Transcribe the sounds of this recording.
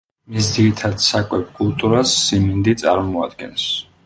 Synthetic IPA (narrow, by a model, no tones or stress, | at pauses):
misd̪ziɾit̪ʰad̪sakʼwɛpʰkʼulˠt̪ʼuɾasːimind̪it̪sʼa̰ɾmɔa̰d̪ɡɛns